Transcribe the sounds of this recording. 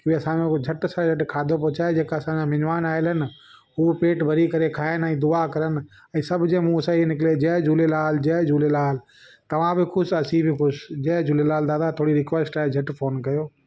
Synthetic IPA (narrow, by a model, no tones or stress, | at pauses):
kiiɐsãẽd͡ʒʱɐʈsad͡ʒʱɐʈkʰaːd̪ʱopɔːt͡ɕaːed͡ʑeːkaɐsãd͡ʑãmɪnʋaːnaːɪlɦɪnɪ̆ | ɦupeːʈbʱɐɾikɐɾekʰaːɪnɛ̃ːd̪ʊakɐɾən̆ | ɛ̃ːsɐbʱd͡ʑẽːmũsainɪkled͡ʑɐɦd͡ʒuːlelaːld͡ʑɛd͡ʒuːlelaːl | t̪ɐʋ̤ãbɪkʰʊsɐsibɪkʰʊsd͡ʑɛɦd͡ʑuːlelaːld̪aːd̪at̪ʰoːɽiɾɪkʋeːsʈaːed͡ʒʱɐʈfʰoːnkɐjoː